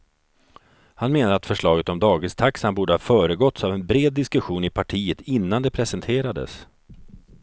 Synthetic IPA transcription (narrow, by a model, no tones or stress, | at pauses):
hanmeːnaɾat̪fœʂɭɑːɡət̪ɔmd̪ɑːɡɪnst̪ʰaksanbuːɖəhɑfœːɾəɡɔt̪savɛnbɾeːd̪ːɪskɵɧuːnɪpʰaʈʰiːət̪ɪnːand̪ɛpʰɾɛsɛnt̪ʰeːɾad̪ə̰s